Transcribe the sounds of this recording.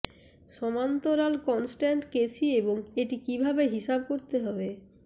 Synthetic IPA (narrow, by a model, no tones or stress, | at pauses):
ʃɔmant̪oɾalkɔnsʈaɳʈket͡ɕʰieboŋeʈikibʱabeɦiʃab̚koɾt̪eɦɔbe